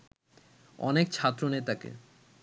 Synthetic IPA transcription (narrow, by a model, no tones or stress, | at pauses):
ɔ̰nek̚t͡ɕʰat̪ːɾonet̪akḛ